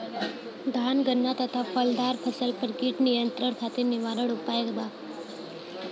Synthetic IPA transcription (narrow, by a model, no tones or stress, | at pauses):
d̪ʱanɡənːat̪ət̪ʰafəld̪aɾpʰəsəlpəɾkiʈnijənt̪ɾəɳt̪ʰat̪iniʋaɾəɽupajɡd̪a